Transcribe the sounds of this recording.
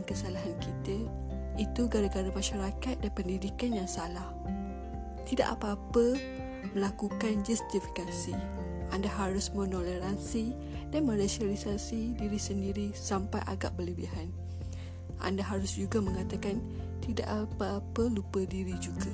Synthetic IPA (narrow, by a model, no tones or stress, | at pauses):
nkəsalaɦankit̪ə | it̪uɡaɾaɡaɾamãʃaɾakat̪̚danpəndidikanjaŋsalah | t̪ida̰ʔapaːpə | mə̃lakukand͡ʒust̪ifi̥kasi | ʔandaɦaɾʊsmə̃noleɾansi | danmə̃ɾasialisasidiɾisəndiɾisampajʔa̰ɡa̰ʔbələbiɦan | ʔa̰ndaɦaɾʊsd͡ʒuɡamə̃ŋat̪akan | t̪ida̰ʔapaːpəlupədiɾid͡ʒuɡa